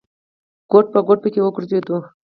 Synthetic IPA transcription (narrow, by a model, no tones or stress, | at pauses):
ɡ̥oʈ̚pəɡoʈ̚pəkewəɡʊɾzed̪u